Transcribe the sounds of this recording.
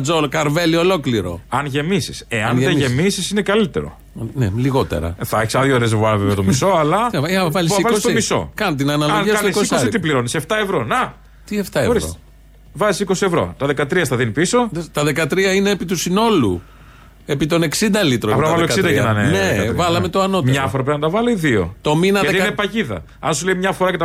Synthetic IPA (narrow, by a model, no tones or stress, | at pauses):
d͡zolkɐɾve̞lio̞lo̞kliɾo̞̰ɐnʝe̞misi̥se̞ɐneʝemisisinekɐlit̪e̞̰ɾo̞̰ | neliɣo̞t̪e̞̰ɾɐ̰θɐeçi̥sɐðʝoɾezvuɐɾveveɐt̪omiso̞ɐlɐɐvɐlissivɐlosst̪miso̞̰kɐnt̪inɐnɐloniɐsnsosoɐsit̪ipliɾo̞niseft̪ɐevɾo̞nɐ | t̪ie̞ft̪ɐeɣoɾiɾo̰ | vɐzisiko̞sie̞vɾo̞̰t̪ɐðe̞kɐt̪ɾiɐst̪ɐðinipisoðt̪ɐðe̞kɐt̪ɾiɐine̞ːpit̪usino̞lṵ | e̞pit̪o̞ne̞ksind̪ɐlit̪ɾoɐvɐðloeksɐind̪ɐɐnɐnenevɐlɐmet̪oɐno̞t̪mɲɐɐfoɾɐpeɐnt̪ɐvɐliiðio̰t̪o̞minɐðɐeiinepɐʝiðɐ̰ | ɐ̰nsuleimɲɐfo̞ɾɐcet̪ɐ